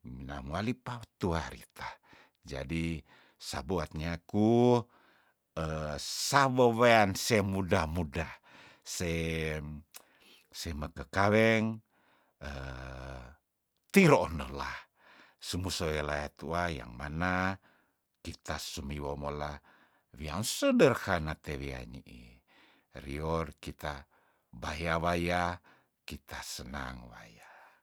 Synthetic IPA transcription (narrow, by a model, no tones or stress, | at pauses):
mina̰mualipat̪uaɾḭt̪a | d͡ʒa̰di | sa̰buat̪̚ɲaːku | əsawoweansemudamuda | se | seməkəkawɛŋ | ə | t̪iɾonəlah | səmusoelajat̪uaja̰ŋmana | kit̪asumiwomola | wiansədərhanat̪ewia̰ɲḭʔḭ | riɔrkit̪a | bajawaja | kit̪asəna̰ŋwa̰ja